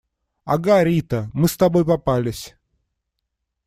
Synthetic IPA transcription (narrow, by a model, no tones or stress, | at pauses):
ɐ̰ɡaɾʲit̪əmɨst̪ɐbojpɐpalʲɪsʲ